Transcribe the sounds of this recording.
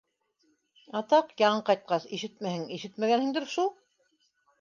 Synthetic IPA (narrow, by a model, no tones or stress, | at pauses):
ɑt̪ɑqjɑɴɤqɑjt̪̚qɑsiʃɘt̪̚mæhɘŋiʃɘt̪mæɡænhiŋd̪ɘɾʃulˠ